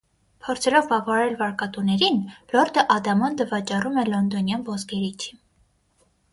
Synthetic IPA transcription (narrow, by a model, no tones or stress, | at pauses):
pʰɔɾt͡sʰɛlɔvːɑvɑɑɾɛlvɑɾkɑt̪unɛɾinlɔɾd̪əʔɑd̪ɑmɔnd̪əvɑt͡ʃɑrumɛlɔnd̪ɔnjɑnvɔzɡɛɾit͡ʃʰi